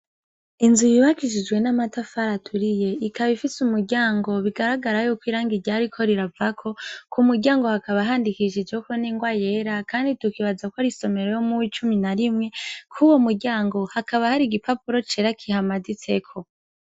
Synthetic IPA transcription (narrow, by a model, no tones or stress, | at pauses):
inzujiβakiʃid͡ʒwe̞namatafaɾatʰuɾije̞ikʰaβifisumuɾɟaːŋɡo̞βiɡaɾaɡaɾajuːkwiːɾaːŋɡiɾɟaɾikʰo̞ɾiɾavakʰo̞kʰumuɾɟaːŋɡo̞hakaβaɦaːndikiʃid͡ʒekoniːŋɡwaje̞ɾakaːnditukiβad͡zakwoaɾiso̞me̞ɾo̞jo̞muwiːt͡ʃuminaɾimŋe̞kʰuwomuɾɟaːŋɡo̞hakaβahaɾiɡipapuɾo̞t͡ʃeɾakʰihamadit͡se̞kʰo̞